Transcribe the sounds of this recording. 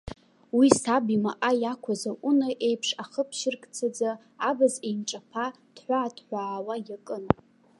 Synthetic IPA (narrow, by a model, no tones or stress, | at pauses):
wisabimaʔajakʷʰazaʔunaʔejpʰʂaχəpʰʃɪrkʼt͡sʰad͡zaː | bazejmʈ͡ʂʼapʰa | d̥ħʷaːtʰħʷaːwajakʼɨn